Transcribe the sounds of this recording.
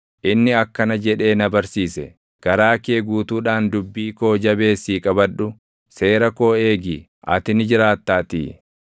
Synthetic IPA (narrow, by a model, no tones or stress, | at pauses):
ʔɪnːɪɐkːɐnɐd͡ʒɛᶑe̞ːnɐbɐɾsiːsɛ̰ | ɡ̥ɐɾaːkeːɡuːt̪uːᶑaːnd̪ʊbːiːko̞ːd͡ʒɐbe̞ːsiːkʼɐbɐᶑʊ | se̞ːɾɐko̞ːeːɡiː | ʔɐ̰t̪ɪnɪd͡ʒɪɾaːt̪ːaːt̪ḭː